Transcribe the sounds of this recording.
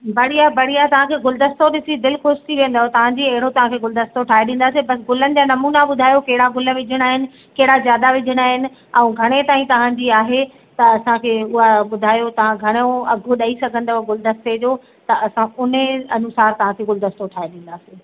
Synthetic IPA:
bɐɽ̤ijabɐɽ̤ijat̪ɐʋ̤ãkʰeːɡʊld̪əst̪oɗɪsid̪ɪlkʊʃt̪ʰiʋẽːnd̪aːɦot̪ɐʋ̤ãːd͡ʑiɐɦɪɽ̤ot̪ɐʋ̤ãkʰeɡʊld̪əst̪oʈʰaːeɗĩːn̆d̪aːsĩbɐs̬ɡʊlənɪ̆d͡ʑaːnɐmuːnaɓʊd̪ʱaːjokɐɦɪɽaɡʊləʋɪd͡ʑʱəɽ̃aːɦɪnɪ̆ | kɐɦɪɽazjaːd̪aʋɪd͡ʑʱəɽ̃aːɦɪnɪ̆ | ɛ̃ũɡʱɐɽ̃et̪aːĩt̪ɐʋ̤ãɲd͡ʑiːaːɦe | t̪ɐɐsãkʰeːʊɦaɓʊd̪ʱaːjot̪ɐʋ̤ãɡʱɐɽ̃oɐɡʱoɗɐisɐɡʱə̃nd̪aɡʊld̪ɐst̪ed͡ʑoː | t̪ɐɐsãʊnɐnʊsaːɾt̪ɐʋ̤ãkʰeːɡʊld̪ɐst̪oʈʰaːeɗĩːn̆d̪aːsĩː

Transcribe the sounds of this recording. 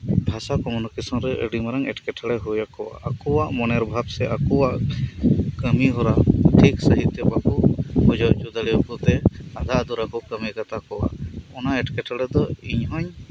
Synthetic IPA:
bʱasakɔmɔnɔkisɔnɾɛʔə̰ɖimaɾaŋɛ̰ʈkɛʈʰaɽɛɦujakɔwa̰ʔakɔwaʔmɔnɛɾbʱabsɛʔakɔwaʔ | kəmiɦɔɾaʈʰiksəɦit̪ːɛbakubud͡ʒɔʔd͡ʒud̪alijɔkɔt̪ɛad̪ʱad̪uɾakɔkəmikat̪akɔwa̰ʔɔnaɛʈkɛʈʰaɽɛd̪ɔiɲɦɔɲ

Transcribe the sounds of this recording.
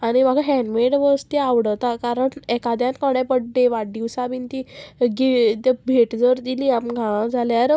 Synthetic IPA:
aɽ̃imaɡaɦɛ̃ɳɖʋeɽʋəst̪iaʋɽət̪akaɾəɳɛkad̪jãnkəɽɛ̃pəɖɖeʋaɖiʋsabint̪iɡit̪abʱeʈd͡zəɾd̪iliamɡʱããd͡zʱaljaɾ

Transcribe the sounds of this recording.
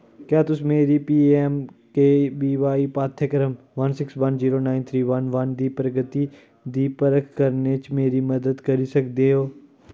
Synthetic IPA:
kjaːt̪ʊsmeːɾipiːemkeːbiːʋaːipaːt̪ʰjəkɾəm | ʋɐnsɪksʋɐnziːɾoːnaːɪnt̪ʰɾiːʋɐnʋɐnd̪iːpɾəɡət̪i | d̪iːpəɾəkʰkɐɾnet͡ʃmeːɾimɐd̪əd̪kɐɾisɐkd̪eɦoː

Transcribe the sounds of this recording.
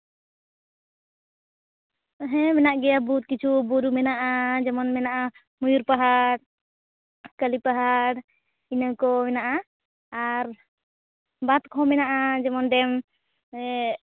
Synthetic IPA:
ɦɛmɛnaʔɡɛjabut̪̚kit͡ʃʰubuɾumɛnaʔad͡ʒɛmɔnmɛnaʔa | mujuɾpaɦaɽ | kəlipaɦaɾ | inəkɔmɛnaʔa | aɾ | bat̪̚kʰɔmɛnaʔad͡ʒɛmɔnɖɛm

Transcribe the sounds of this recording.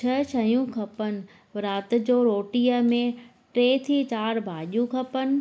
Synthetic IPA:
t͡ɕʰɐt͡ɕʰɐjũkʰɐpənɪ̆ | ɾaːt̪ɪ̆d͡ʑoːɾoːʈijəmẽ | ʈɾeːt̪ʰiːt͡ɕaːɾbʱaːʄijũkʰɐpənɪ̆

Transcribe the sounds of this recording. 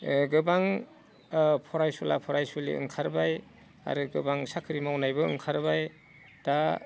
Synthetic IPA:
ɡɯbaŋ | pʰɔɾajsula̰pʰɔɾajsulḭɯ̰ŋkʰaɾbaj | a̰ɾɯɡɯbaŋsakʰɯɾimawnajbɯɯ̰ŋkʰaɾbaj | d̥a

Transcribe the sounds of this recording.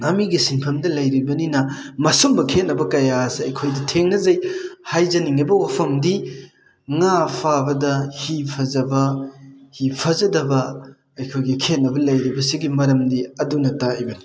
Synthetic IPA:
ɐmiɡisinpʰɐmdɐlɐjɾibɐninɐmɐsumbɐkʰet̚nːɐbɐkɐjasiɐjkʰojdɐtʰeŋnɐzɐjhajzɐniŋɐbɐwapʰɐmdi | ŋapʰabɐdɐhipʰɐzɐbɐhipʰɐzɐdɐbɐ | ɐjkʰojɡikʰetnːɐbɐlɐjɾibɐsiɡimɐɾɐmdiɐdunɐtaijbɐni

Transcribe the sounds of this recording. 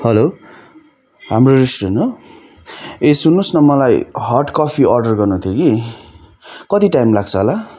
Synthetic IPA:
hʌlo | hamrorisʈreno | esunːusnʌmʌlajɦʌrʈkɔpʰiʌrɖʌrɡʌrnut̪ʰjoki | kʌt̪iʈajmlaɡ̚t͡sʰʌɦola

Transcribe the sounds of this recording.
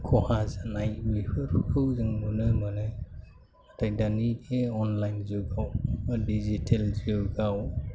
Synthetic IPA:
kʰɔhazanajwipʰɯɾkʰɯwzɯŋmɯnɯmanɯ | atʰajdaniɡeɔnlajnzɯɡawdizitʰelzɯɡaw

